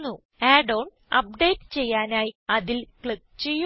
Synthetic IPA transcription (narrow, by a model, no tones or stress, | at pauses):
nːu | eːɖoːɳɖ | ɐ̰p̚ɖe̞ːʈːɨ̥t͡ɕe̞jːaːnaːjiɐðilkɭik̚ːt͡ɕe̞jːu